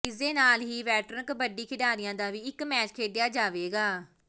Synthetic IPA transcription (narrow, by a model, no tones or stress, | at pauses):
ɪsd̪eːnaːlɦiːʋɛːʈɾənkbəɖiːkʰɪɖaːɾɪjãːd̪aːʋiːɪkmɛːt͡ʃkʰeːɖɪjaːd͡ʒaːʋeːɡaː